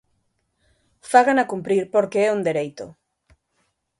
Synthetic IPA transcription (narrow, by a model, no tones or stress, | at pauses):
faɣanakumpɾiɾpoɾkeɛund̪eɾejt̪ʊ̰